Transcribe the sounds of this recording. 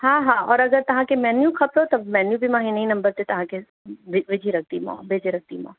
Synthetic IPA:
ɦãːɦãːɔːɾɐɡəɾt̪ɐɦãkemɛːnjukʰɐpɾot̪ɐmɛːnjubʱimãːɦinɐĩnɐ̃mbəɾt̪et̪ɐɦãke | ʋɪʋɪd͡ʒʱiɾɐk̚ʰt̪imɔ̰̃ːbed͡ʒʱiɾɐk̚t̪imɔ̰̃ː

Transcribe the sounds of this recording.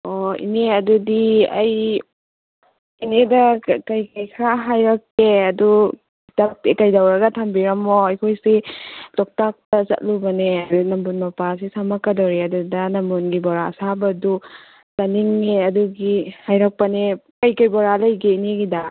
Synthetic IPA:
oḭneɐdudiɐ̰j | inedɐkɐjkajkʰɾaɦajɾɐkːeɐdu | tɐk̚tekɐjdawɾɐɡɐtʰɐmbiɾɐmɔɐjkʰojsitɔk̚tak̚tɐzɐ̰t̚lubɐneɐɾunɐmbunmɐpasisamɐkːɐdawɾeɐdudɐnɐmbunɡibɔɾaɐ̰sabɐdu | tɐniŋːeɐduɡihajɾɐk̚pɐnekɐjkɐjbɔɾalɐjɡeineɡida

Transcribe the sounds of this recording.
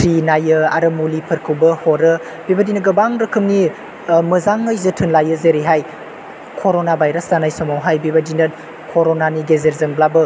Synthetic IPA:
tʰɾinajɯa̰ɾɐmulipʰɐɾkʰɯwbɐhɔɾɯ | bebadinɐɡɐbaŋɾɐkʰɯmni | mɯzaŋːəjzɯtʰɯnlajəzeɾiɦaj | kʰoɾonabajɾɐstanajsomawɦajbibadinɐt | kʰoɾonaniɡezeɾzɐŋblabɯ

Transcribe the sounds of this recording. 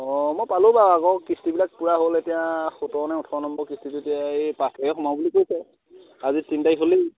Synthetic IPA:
ɔ̃mojpalʊ̃baakɔkɹistibilak̚puɹaɦoletijaxotɔnɛʊtʰɔnɔmbɔɹkɹistitʊetijapatʰajɔxɔmabulikojsɛ | azitintajɦoli

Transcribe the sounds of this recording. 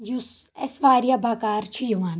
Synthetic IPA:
jusɛsʋaːɾjɐbʱakaːɾt͡ʃʰijuʋaːn

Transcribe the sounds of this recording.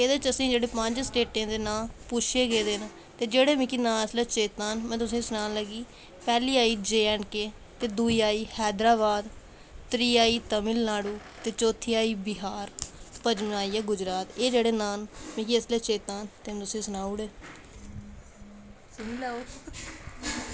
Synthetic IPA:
eːd̪eːt͡ʃəsĩːd͡ʒeːɽeːpə̃ɲd͡ʒsʈeːʈẽːd̪eːnaːpʊt͡ʃʰeːɡeːd̪eːn | t̪eːd͡ʒeːɽeːmĩːkinãːsleːt͡ʃeːt̪aːnmɛ̃ːt̪ʊsĩːsʊnaːnləɡiː | pɛːliːaːiːd͡ʒeːɛːnkeː | t̪eːd̪uːiːaːiːhɛːd̪ɾaːβaːd̪ | t̪ɾiːaːiːt̪əmɪlnaːɽuː | t̪eːt͡ʃoːt̪ʰiːaːiːbɪɦaːɾpəd͡ʒmaːiːɛːɡʊd͡ʒɾaːt̪eːd͡ʒeːɽeːnaːnmĩːkiəsleːt͡ʃeːt̪aːnt̪eːɛ̃t̪ʊsĩːsənaːuɽeː | smilaːu

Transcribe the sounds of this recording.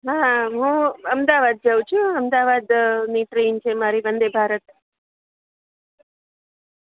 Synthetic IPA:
ɦãɦũəmd̪aʋad̪̚d͡ʒəwũt͡ʃʰũəmd̪aʋad̪niʈɾint͡ʃʰemaɾibənd̪ebʱaɾət̪̚

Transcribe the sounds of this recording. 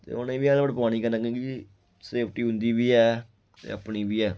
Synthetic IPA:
t̪ḛːonẽːʋiːaːlbəɽpaːñiːkənãːkẽːɡid͡ʒi | seːpʰʈiːɦʊ̃nd̪iːbiːɛː | t̪ḛːəpɳiːbiːɛː

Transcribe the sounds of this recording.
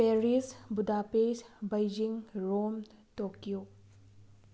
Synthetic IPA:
peɾisbudʱapesbajd͡ʒiŋɾom | tokiju

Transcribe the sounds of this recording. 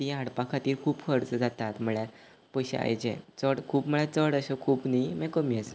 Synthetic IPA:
t̪iãɽpakʰat̪iːɾkʰuːbfəɾt͡sd͡zat̪at̪m̤əɭja | pəjɕḛa̰jd͡ʑḛ̃t͡səɽkʰuːpm̤əɭat͡səɽəɕəkʰuːpnimɛ̃kəmiəs

